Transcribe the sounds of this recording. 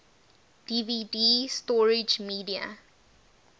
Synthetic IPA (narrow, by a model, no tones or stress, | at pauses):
d̥ividiːstɔɹɪd͡ʒmiːdia̰